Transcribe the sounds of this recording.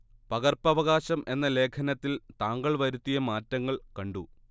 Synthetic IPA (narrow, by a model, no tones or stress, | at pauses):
pɐɣɐrpɐʋɐɣaːɕɐmʔe̞nːɐle̞ːkʰɐnɐt̪ːilt̪aːŋɡɐɭʋɐɾut̪ːijɐmaːtːɐŋːɐɭkɐɳɖu